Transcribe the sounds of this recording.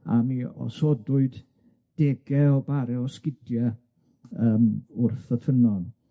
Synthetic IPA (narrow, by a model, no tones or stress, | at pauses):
a̰miɔ̰sodʊɨd | d̥ɛɡɛɔbaɾɛɔskɪdjɛ | əːmʊrθəfənɔn